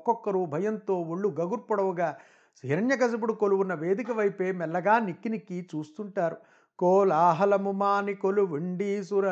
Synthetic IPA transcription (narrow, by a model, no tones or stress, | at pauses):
kɔkːɐɾubʱɐjɐnt̪o̞ːoɭːuɡɐɡuɾpɔɽɐʋɐɡaː | siɾɐnjɐkɐsɐbuɽukoluʋunːɐʋe̞ːd̪ikɐʋɐjpe̞ːmɛlːɐɡaːnikːinikit͡ʃuːst̪uɳʈaːɾu | koːlaːɦɐlɐmumaːnikoluʋiɳɖiːsuɾɐ